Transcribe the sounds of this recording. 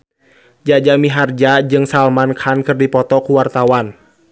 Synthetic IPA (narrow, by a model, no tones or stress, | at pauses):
d͡ʒad͡ʒamiɦard͡ʒad͡ʒɨŋsalmankʰankɨrdipɔt̪ɔkuwart̪awan